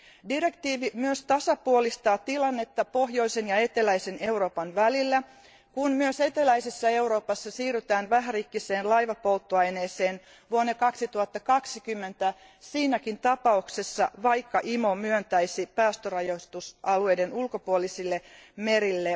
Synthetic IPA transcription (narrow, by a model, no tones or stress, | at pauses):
dire̞kt̪iːʋimyøst̪ɑsɑpuolist̪ɑːt̪ilɑnːe̞t̪ːɑpo̞ɦjoisenjɑe̞t̪elæjseneuro̞ːpɑnʋælilːæ | kunmyøse̞t̪elæisesːɑe̞uɾo̞ːpɑsːɑsiːryt̪æːnʋæɦærikːise̞ːnlɑjʋɑpo̞lt̪ːuɑjneːse̞ːn | ʋuonːekɑksit̪uɑt̪ːɑkɑksikymːent̪æ | siːnækint̪ɑpɑuksesːɑʋɑjkːɑʔimo̞myønt̪æisipæːst̪ørɑjost̪usʔɑlue̞jde̞nulkopuolisilːemeɾilːe